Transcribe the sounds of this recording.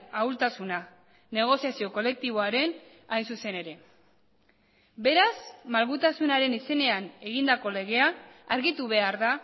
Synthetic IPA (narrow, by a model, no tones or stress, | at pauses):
awlt̪asuna | ne̞ɣ̞o̞siasio̞ko̞le̞k̚t̪iβo̞aɾe̞n | ajnsuse̞ne̞ɾe̞ | be̞ɾazmalɣut̪asunaɾe̞nise̞ne̞ane̞ɣind̪ako̞le̞ɣ̞e̞aːɾɣit̪uβ̞e̞aɾða